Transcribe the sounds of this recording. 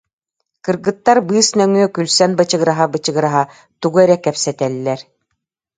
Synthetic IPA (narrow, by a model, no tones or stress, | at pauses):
kɯɾɡɯt̪ːaɾbɯːsnœŋyœkylsɛnbat͡ɕɯɣɯɾaɦabɯt͡ɕɯɡɯɾaɦa | t̪uɡuɛɾɛkɛpsɛt̪ɛlʲːɛɾ